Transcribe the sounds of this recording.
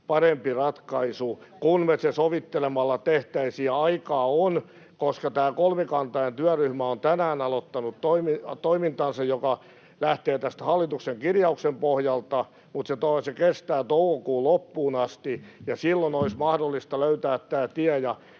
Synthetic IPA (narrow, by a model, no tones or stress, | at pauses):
pɑrempirɑt̪kɑisukunmesesoʋit̪ːelemɑlːɑt̪eht̪æisiæɑikɑːon | koskɑt̪æːkolmekɑnt̪ɑient̪yæryhmæont̪ænæːnɑlot̪ːɑnut̪t̪oimit̪oimint̪ɑnsɑjjokɑ | læht̪eːt̪æst̪hɑlːit̪ukseŋkirjɑuksempohjɑlt̪ɑ | mut̪set̪osekest̪æːt̪oukokuːlopːuːnɑst̪ijɑsilːonoismɑhdolːist̪ɑløyt̪æːt̪tæːt̪iæjɑ